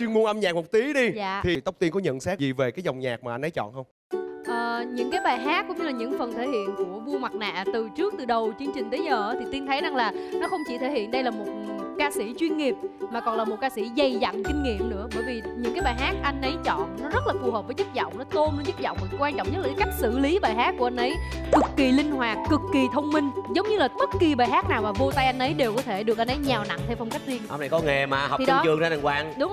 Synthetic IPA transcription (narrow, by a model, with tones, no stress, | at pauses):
t͡ɕwi˧ənmu˧əŋʔə˧mɲaː˨˩k̚mo˨˩k͡p̚t̪i˨˦ɗi˧zaː˧˨t̪ʰi˨˩t̪ə˦˥wk͡p̚t̪i˧əŋkɔ˨˦ɲə̰˧˨nsaː˦˥k̚zi˨˩ve˨˩kaː˨˦jzɔ˨˩wŋ͡mɲaː˨˩k̚maː˨˩a˧jnʔə˨˦t͡ɕɔ̰˧˨nxə˧wŋ͡m | ʔəː˨˩ɲɨ̰˧˥ŋkaː˨˦jɓaː˨˩jɦaː˦˥kːʊ̰˧˥ŋ͡mɲɨ˧laː˨˩ɲɨ̰˧˥ŋfə˨˩nt̪ʰe˧˩hḭ˧˨ənku˧˩əvu˧ma˨˩t̚na̰ː˧˨t̪ɨ˨˩t͡ɕɨ˦˥ək̚t̪ɨ˨˩ɗə˨˩wt͡ɕɨ˧əŋt͡ɕï˨˩ŋ̟t̪e˨˦ɲəː˨˩ʔt̪ʰi˨˩t̪i˧nt̪ʰə˨˦jza˨˩ŋlaː˨˩nɔ˨˦xə˧wŋ͡mt͡ɕi˧˩t̪ʰe˧˩hḭ˧˨ənɗə˧jlaː˨˩mo˨˩t̚kaː˧si˧˩t͡ɕwi˧ənŋi˨˩əp̚maː˨˩kɔ˨˩nlaː˨˩mo˨˩t̚kaː˧si˧˩zə˨˩jza̰˧˨ŋkï˧ŋ̟ŋḭ˧˨əmnɨ̰˧˥əɓəː˧˩jvi˨˩ɲɨ̰˧˥ŋkaː˨˦jɓaː˨˩ɦaː˦˥t̚ʔa˧jŋ̟ʔə˨˦jt͡ɕɔ̰˧˨nnɔ˨˦zə˦˥t̚laː˨˩fu˨˩həː˨˩p̚vəː˨˦t͡ɕɨ˦˥t̚zɔ̰˧˨wŋ͡mnɔ˨˦t̪o˧m˧ɲɨ˦˥t̚zɔ̰˧˨wŋ͡mvə˨˩˦kwaː˧nt͡ɕɔ̰˧˨wŋ͡mɲə˦˥t̚laː˨˩a˨˦ka˦˥jk̚sɨ̰˧˨li˨˦ɓaː˨˩jɦaː˦˥t̚ku˧˩əʔa˧ŋʔə˨˦jkɨ˨˩kːi˨˩lï˧ŋ̟hwaː˨˩t̚ːɨ˨˩kːi˨˩t̪ʰə˧wŋ͡mmï˧ŋ̟zə˨˦wŋ͡mɲɨ˧laː˨˩ɓə˦˥t̚ki˨˩ɓaː˨˩jɦaː˦˥t̚naː˨˩wmaː˨˩vo˧t̪a˧jʔa˧jŋ̟ʔə˨˦jɗe˨˩wkɔ˨˦t̪ʰe˧˩ɗɨ˨˩ək̚ʔa˧n̟ə˨˦jɲa˨˩wna̰˧˨ŋt̪ʰe˧wfɔ˧wŋ͡mka˦˥jk̟̚zi˧ənʔa˧mna˨˩jkɔ˨˦ŋe˨˩maː˨˩ha̰˨˩t̪i˨˩ɗɔ˨˦t͡ɕɨ˨˩əŋzaː˧a˨˩ŋkwaː˧ŋɗʊ˨˦ŋ͡m